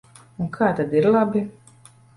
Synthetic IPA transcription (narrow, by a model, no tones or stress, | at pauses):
ũnkʰaːt̪ad̪iɾlˠabi